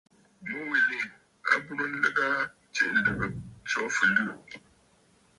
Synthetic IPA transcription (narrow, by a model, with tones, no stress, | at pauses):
mu˦wi˨ni˦˨ | a̰˦bu˦ɾɨ˦n̩˦lɨ˦ɡa˦ | t͡ʃɛ̰˦ʔ̩˦˨lɨ˦˨bɨ˨t͡sɔ˦fɨ˨lɨ˦˨